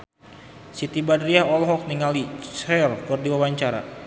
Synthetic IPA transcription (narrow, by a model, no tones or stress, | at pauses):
sit̪ibadriaɦɔlɦɔk̚niŋalit͡ʃɛrkurdiwawaɲt͡ʃaɾa̰